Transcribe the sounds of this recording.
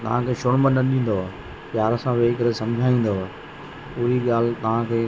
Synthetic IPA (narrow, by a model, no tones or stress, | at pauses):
t̪ɐ̰ʋ̤ãkʰeːʃoːnmənnːɐɗĩːn̆d̪oː | pjaːɾsãʋeːkɐɾesɐ̃md͡ʑʱaːĩːn̆d̪oa | puɦiɠaːl̤t̪ɐʋ̤ãkʰeː